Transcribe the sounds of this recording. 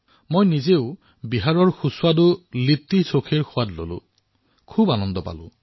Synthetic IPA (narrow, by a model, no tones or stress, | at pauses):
mojnizeʊ | biɦaɹɔɹxuswadʊlitːisokʰiɹxʊwatlo̰lʊ̰̃ | kʰubanɔndɔpa̰lʊ̰̃